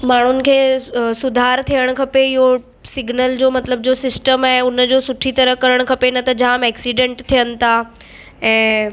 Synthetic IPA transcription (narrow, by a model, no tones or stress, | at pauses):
maːɳ̤ʊnɪ̆kʰeːsʊd̪ʱaːɾt̪ʰijəɽ̃kʰɐpeɪɦo | sɪɡʱnəld͡ʑoːmɐt̪ləb̚d͡ʑoːsɪsʈəmɛ̃ːʊnəd͡ʑoːsʊʈʰit̪ɐɾəkɐɾəɽ̃kʰɐpenɐt̪ɐd͡ʑaːmɛːksiːɖẽɳʈt̪ʰːijənɪ̆t̪ʰa | ɛ̃ː